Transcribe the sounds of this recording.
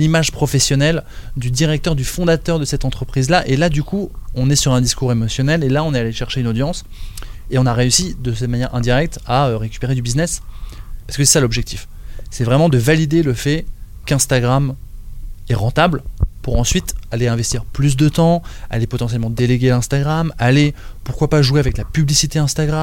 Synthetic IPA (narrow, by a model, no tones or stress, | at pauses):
limaʒpχɔfɛsjɔnɛld̪yd̪iʁɛk̚t̪œʁd̪yfɔ̃d̪at̪œʁd̪əsɛt̪ɑ̃t̪χəpχizlaʔelad̪ykuɔ̃nɛsyʁɛ̃d̪iskuʁemɔsjɔnɛlelaɔ̃nɛaleʃɛʁʃeynod̪jɑ̃s | eɔ̃naʁeysid̪əsɛt̪manjɛʁɛ̃d̪iʁɛk̚t̪aøʁekʲy̥peʁed̪ybiznɛspaʁsəkəsɛsalɔbʒɛk̚t̪ʰif | sɛvʁɛmɑ̃d̪əvalid̪eləfɛ | kɛ̃st̪aɡʁam | ɛʁɑ̃t̪ablpuʁɑ̃sɥit̪aleɛ̃vɛst̪iʁplys̬d̪ət̪ɑ̃a̰lepɔt̪ɑ̃sjɛlmɑ̃d̪eleɡʲelɛ̃st̪aɡʁamalepuʁ̥kwapaʒweavɛklapyblisit̪eɛ̃st̪aɡʁa